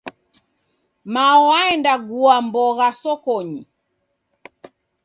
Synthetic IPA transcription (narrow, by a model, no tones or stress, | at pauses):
maɔaɛndaɡuambɔɣasɔkɔɲi